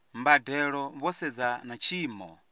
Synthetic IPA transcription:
mbadɛɺɔβɔsɛd͡zanat͡ʃʰiːmɔ̰

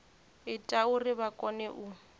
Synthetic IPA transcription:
ɪtʼaʊrɪbakʼɔnɛʔʊ

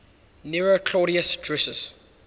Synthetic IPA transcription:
niɹokʰlɔːɾiəsdɹɛsəz̥

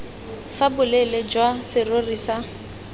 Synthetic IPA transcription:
fabʊlɛled͡ʒwasɪrorisa

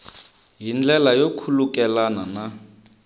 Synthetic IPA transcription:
ɦind͡ɮɛlajokʰulukʼɛlanana

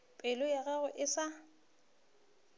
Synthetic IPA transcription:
pʼɪlʊjaɣaɣʊʔɪsa

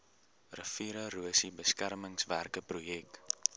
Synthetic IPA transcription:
rəfiɾəruəsibəskærməŋsværkəprujɛk

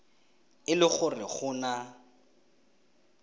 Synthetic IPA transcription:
ɪlɪχʊrɪχʊːna

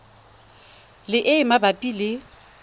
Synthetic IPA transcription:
lɪʔɪɪmabapʼilɪ

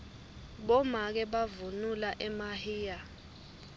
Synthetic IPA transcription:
ɓɔmak̬ɛɓavunulaʔɛmahiːja

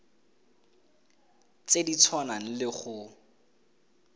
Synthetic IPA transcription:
t͡sedit͡sʰwanan̩lɪχʊ

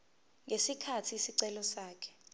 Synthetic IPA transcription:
ŋesikʰatʰisiǀɛlɔsaːkʰɛ̥

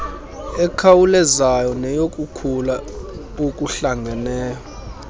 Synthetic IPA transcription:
ɛkʰawulɛzajɔnɛjokʼukʰula | okʼuɬaŋɡʱɛnɛːkɔ

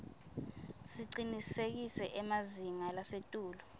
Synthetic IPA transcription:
siǀinisek̬isɛʔɛmaziŋalasetʼuːlɔ

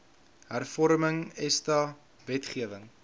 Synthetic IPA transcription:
ɦærfɔɾməŋɛstɑ | vɛtχiəvəŋ

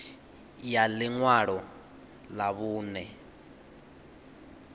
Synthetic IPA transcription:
jaliŋwaɺɔ | laβuːnɛ

